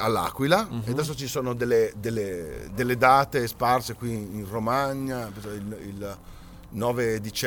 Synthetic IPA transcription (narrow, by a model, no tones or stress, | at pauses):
alːa̰ːkwilaed̪as̬ot͡ʃisoːnod̪elːed̪elːed̪elːed̪aːt̪esparsekwiːnromaɲːapesɔilil | nɔːved̪it͡ʃ